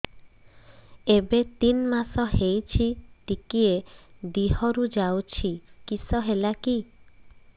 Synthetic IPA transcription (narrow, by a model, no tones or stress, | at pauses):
ebet̪inmasɔɦejt͡ʃʰiʈikied̪iɦɔɾud͡ʒawt͡ʃʰikisɔɦelaki